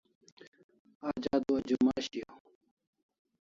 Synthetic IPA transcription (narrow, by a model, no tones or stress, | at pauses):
aːd͡ʑaːd̪uɐd͡ʑumaːɕio